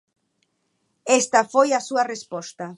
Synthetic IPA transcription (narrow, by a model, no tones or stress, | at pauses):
est̪afojasuarespost̪a